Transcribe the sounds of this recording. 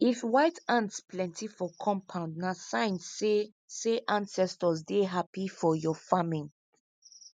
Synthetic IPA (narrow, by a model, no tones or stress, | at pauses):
ifwaɪtãntsplɛ̃ntʰifɔkʰɔ̃mpʰãʊ̃ndnasãɪ̃ne | seʔãnsɛstɔzdeɦapifɔjɔfamĩn